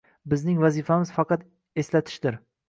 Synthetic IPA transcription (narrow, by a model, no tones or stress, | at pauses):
bɪznɪŋvazifamɪz̥fɑqʰɑt̪ | e̞slat̪ʰɪ̥ʃd̪ɪɾ